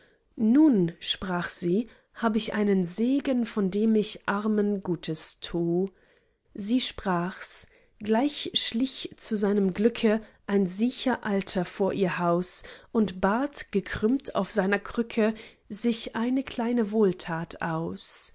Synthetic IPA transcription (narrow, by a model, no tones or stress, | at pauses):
nuːnʃpʁ̥aːχz̥iː | haːbəɪçʔa̰ɪnənzeːɡənfɔndeːmɪçʔaʁmənɡuːtʰəstʰuː | ziːʃpʁ̥aːχs | ɡ̥laɪçʃlɪçt͡suzaɪnəmɡlʏkʰəʔaɪnziːçɐʔaltʰɐfoːɐʔiːɐhaʊsʔʊntb̥aːtɡ̥əkʰʁ̥ʏmtʰa̰ʊfz̥aɪnɐkʁ̥ʏkʰə | zɪçʔaɪnəkʰl̥aɪnəvoːltʰaːtʰʔa̰ʊs